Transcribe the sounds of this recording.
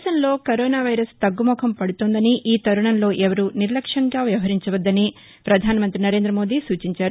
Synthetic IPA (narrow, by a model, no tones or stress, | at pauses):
ʃɐnlo̞ːkɐɾoːnaːʋɐjɾɐst̪ɐɡːumɔːkʰɐmpɐɽut̪oːnd̪ɐniʔiːt̪ɐɾuɳɐnlo̞ːʔɛʋɐɾuniɾlɐkʂɐŋɡaːʋjɐʋɐɦɐɾiɲt͡ʃɐʋɐd̪ːɐni | pɾɐd̪ʱaːniɐmɐnt̪ɾinɐɾe̞ːnd̪ɾɐmoːd̪iːsuːt͡ʃiɲt͡ʃaːɾu